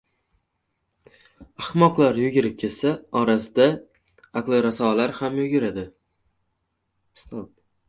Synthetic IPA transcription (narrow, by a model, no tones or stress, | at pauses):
ahmɒqlˠaɾjʊɡʲɪɾɪp̚kʲʰe̞lsaɒɾasɪd̪a | aklˠɪɾasɒlaɾhamjʊɡʲɪɾad̪ɪ | st̪ʰɒp̚